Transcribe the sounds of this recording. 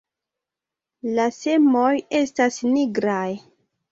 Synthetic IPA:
lase̞mo̞je̞stasniɡɾaj

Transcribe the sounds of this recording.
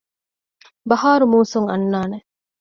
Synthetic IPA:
bɐɦaːɾumuːsuŋɐ̰nːaːne

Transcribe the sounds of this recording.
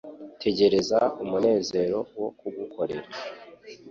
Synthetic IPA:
tʰe̞ɟe̞ɾe̞zaumune̞ːze̞ɾo̞wo̞kuɡukʰo̞ɾe̞̰ɾa

